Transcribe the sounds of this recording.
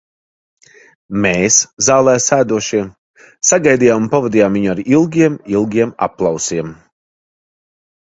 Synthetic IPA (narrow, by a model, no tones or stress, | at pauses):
meːszaːlˠɛːsæːd̪uɔʃiɛm | saɡajd̪ijaːmunpavad̪ijaːmviɲuaɾilˠɡʲiɛmilˠɡʲiɛma̰pːlˠɑwsiɛm